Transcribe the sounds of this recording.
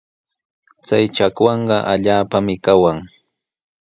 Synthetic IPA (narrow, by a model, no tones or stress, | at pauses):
t͡sajt͡ʃakwɑɴɢɑʔaʎaːpamɪkawaŋ